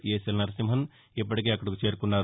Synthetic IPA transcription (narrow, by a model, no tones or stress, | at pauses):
jeːsɐlnɐɾsimɦɐn | epːɐʈik̬eːɐkːɐɽikut͡ʃe̞ːɾukunːaː